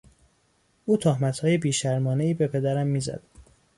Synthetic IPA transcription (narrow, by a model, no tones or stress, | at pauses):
ʔuːt̪ʰohmæt̪hɒːje̞biːʃæɾmɒːneiːbe̞pʰe̞d̪æɾæmːiːzæ̰d̪̥